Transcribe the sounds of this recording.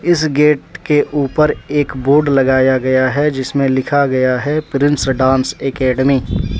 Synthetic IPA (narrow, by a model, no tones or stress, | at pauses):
ɪsɡeːʈ̚keʔuːpəɾeːkboːɾɖlɐɡaːjaɡɐjaɦɛd͡ʒɪsmẽlɪkʰaɡɐjaɦɛpɪɾɪ̃nsɖãːnsekɛːɖəmiː